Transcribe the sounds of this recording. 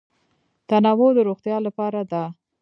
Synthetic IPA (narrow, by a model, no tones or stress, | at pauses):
t̪anawod̪əɾoxt̪jɑlapɑɾad̪a